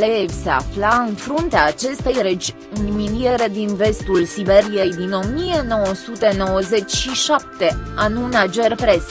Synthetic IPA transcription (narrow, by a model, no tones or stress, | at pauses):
le̞evʲse̞a̰flaɨnfɾunt̪eaːt͡ʃe̞st̪e̞jɾed͡ʒ | milie̞ɾe̞d̪inve̞st̪ulsive̞ɾijejd̪ino̞mie̞no̞wəsut̪e̞no̞wəze̞t͡ʃʲʃiʃap̚t̪e̞anunad͡ʒe̞rpɾes